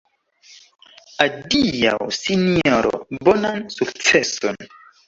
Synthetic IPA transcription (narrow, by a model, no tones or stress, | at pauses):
adija̰wsinioɾo̰bonansukt͡seso̰n